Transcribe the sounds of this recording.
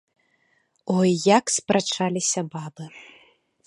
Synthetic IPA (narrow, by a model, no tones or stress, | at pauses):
ɔjːakspɾat͡ʂalʲisʲɐbabɨ